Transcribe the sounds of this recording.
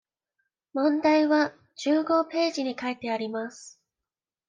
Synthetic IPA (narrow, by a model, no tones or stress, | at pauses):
mõ̞nd̪aiβa | t͡ɕɨːɡo̞pe̞ːʑiɲ̟ikait̪e̞aɾʲimasɨ̥